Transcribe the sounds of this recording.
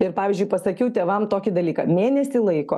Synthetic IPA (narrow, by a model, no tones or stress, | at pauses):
ɪɾpɑːʋʲɪzʲd͡ʒʲʊɪpɐsɐkʲɛʊt̪ʲeːʋɐmt̪oːkʲɪd̪ɐlʲiːkɐmʲeːnʲɛsʲɪlˠɐɪko̰ː